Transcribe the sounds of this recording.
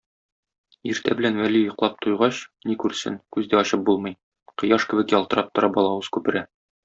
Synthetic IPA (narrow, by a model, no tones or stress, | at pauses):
iɾt̪æbɘ̆lænwælijŏqlˠɑp̚t̪ʰŏjʁɑɕnikʉɾsɘ̰nkʉzd̪æɒɕɤp̚bulˠmɤ̆j | qɤ̆jɑʃkɘ̆bɘkjɒlˠt̪ɤ̆ɾɑp̚t̪ŏɾɑbɒlˠɑwɤz̥kʉpɘ̆ɾæ